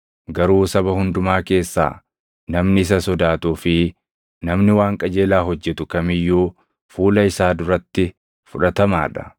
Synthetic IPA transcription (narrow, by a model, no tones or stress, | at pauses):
ɡɐɾuːsɐbɐhʊnd̪ʊmaːke̞ːsːa̰ː | nɐmnɪɪs̬ɐsɔd̪aːt̪uːfɪ | nɐmnɪwaːŋkʼɐd͡ʒe̞ːlaːɦɔd͡ʒːɛt̪ʊkɐmɪjːuː | fuːlɐɪsaːd̪ʊɾɐt̪ːɪ | fʊᶑɐt̪ɐma̰ːᶑɐ̥